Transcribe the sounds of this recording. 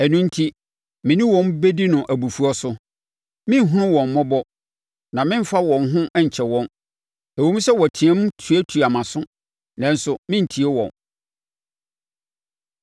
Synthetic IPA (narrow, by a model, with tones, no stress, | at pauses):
ɛ˨nũ˦n̩˦tʰi˦ | mɪ̃˨nĩ˦wɔ̃˨mbe˦di˦nʊ̃˨ʔæ˨bu˨fu˨˦ɔ˦sʊ˦ | mɪ̃˦n˦ɦʊ̃˦nʊ̃˦wɔ̃˨m˨mɔ̃˦bɔ˦ | nã˨mɪ̃˦m̩˦fa˦wɔ̃˨n˦ɦʊ̃˦ʔɛ˦ɲ̩˨t͡ɕʰɛ˨wɔ̃˦n | æ˨wo˦m̩ũ˦sɛ˦wɔ˨tʰĩ˨ɛ̃˦m˦tʰu˨æ˦tʰu˨a˨mã˨sʊ̃˦ | nã˨n̩˦sʊ˨mɪ̃˦n̩˨tʰi˨e˦wɔ̰̃˨n